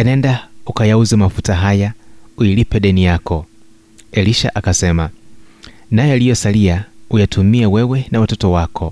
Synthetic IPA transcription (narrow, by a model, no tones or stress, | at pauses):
anɛndaukajauzɛmafutaɦajauilipɛɗɛnijakɔ | ɛliʃa̰ʔakasɛma | najɛalijɔsaliaujatʰumiɛwɛwɛnawatɔtɔwakʰɔ